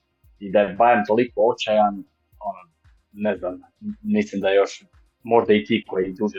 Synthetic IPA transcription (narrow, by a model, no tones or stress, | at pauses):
id̪abajemt̪olikoot͡ɕajan | ono | nɛznam | mislimd̪ajo̞ʃ | mo̞ʒd̪ait̪iːkojid̪uːʒe